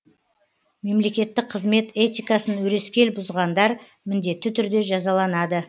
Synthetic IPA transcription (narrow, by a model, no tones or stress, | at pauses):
me̞mle̞kʲe̞t̪ːɪk̚qʰəzme̞t̪e̞t̪ʲijkɑsənwɵɾe̞skʲe̞lbʊzʁɑnd̪ɑɾ | mɪnd̪e̞t̪ːɪt̪ʰʏɾd̪e̞ʒɑzɑlˠɑnɑd̪ə